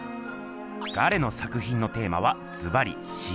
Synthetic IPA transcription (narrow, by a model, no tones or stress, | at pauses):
ɡ̥aɾe̞no̞sakɯ̟çĩnːo̞t̪e̞ːma̰βa | d͡z̥ɨbaɾʲḭ | ɕi